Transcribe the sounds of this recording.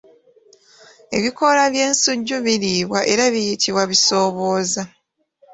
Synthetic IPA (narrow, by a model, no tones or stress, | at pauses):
e̞̰βiko̞laβje̞ːnsuɟːuβiliːβwaʔe̞ɾaβijitʰiβwaβiso̞ːβo̞ːza